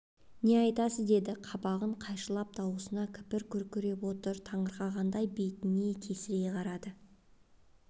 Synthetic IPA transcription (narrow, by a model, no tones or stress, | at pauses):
ne̞ɑjt̪ɑsəzd̪e̞d̪ɪqʰɑbɑʁəɴqʰɑjʃəlˠɑp̚d̪ʰɑwəsənɑkʲʰɪ̥pɪɾkʲʰɵɾkʲʰɵɾe̞pwo̞t̪əɾt̪ʰɑɴəɾqɑʁɑnd̪ɑjbe̞t̪ɪnekʲʰe̞sɪɾeqʰɑɾɑd̪ə